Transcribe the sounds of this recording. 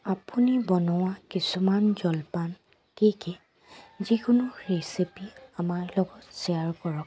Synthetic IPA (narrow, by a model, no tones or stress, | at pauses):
apunibɔnɔwakisumanzɔlpan | kikɛ | zikʊnʊɹesipiamaɹlɔɡɔtsiaɹkɔɹɔk̚